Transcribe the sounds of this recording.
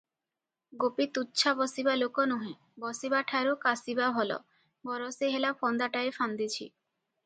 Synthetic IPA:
ɡopit̪utːɕʰabɔsibalokonuɦẽ | bɔsibaʈʰaɾokasibaɦɔlɔ̰ | bɔɾoseɦelapʰɔnd̪aʈaefand̪it͡ɕʰḭ

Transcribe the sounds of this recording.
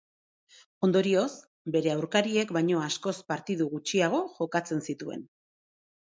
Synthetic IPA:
o̞nd̪o̞ɾio̞s | be̞ɾe̞awɾkaɾie̞kbajɲo̞asko̞spaɾt̪iðuɣut͡ʃiaɣ̞o̞ʝo̞kat͡se̞nsit̪ue̞̰n

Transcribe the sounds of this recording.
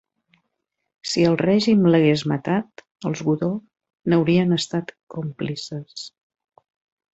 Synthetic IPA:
siəlˠrɛʒimləɣezmət̪at̪ | əlˠzɣuðo | nəwɾiənəst̪at̪komplisəs

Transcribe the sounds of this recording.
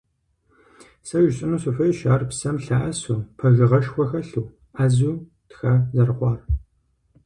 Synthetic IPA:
sɐʒɕʼɪnuːsɐfɐjʃaːrpsɐmɬaʔɐsuːpʰɐʒɪʁɐʃxʷɔxɐɬuː | aːzuː | txɐzɐrχʷɑːr

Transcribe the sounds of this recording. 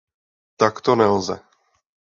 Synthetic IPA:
t̪akt̪onɛlzɛ̰

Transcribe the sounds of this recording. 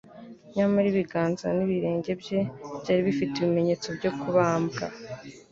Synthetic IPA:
ɲamaɾiβiɡaːnzaniβiɾe̞ːɲɟe̞bje̞bjaːɾiβifiteβime̞ɲe̞ːt͡so̞bɟo̞kuβaːmbɡa

